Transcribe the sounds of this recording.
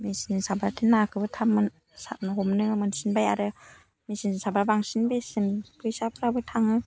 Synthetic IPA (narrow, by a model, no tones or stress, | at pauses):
mesininsabaɾtʰinːakʰɯbɯtʰamːɯn | sa̰t̚nɯɦɔmnɯmɯnsinbaja̰ɾɯ | mesininsabɾabaŋsinbesɯnkʰɯjsapʰɾabɯtʰaŋɯ